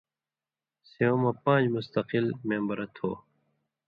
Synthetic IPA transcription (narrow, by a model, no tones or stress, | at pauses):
seõmɐ̃pãːd͡ʑmust̪ɐqɪlmẽːmbɐɾɐt̪ʰo̰ː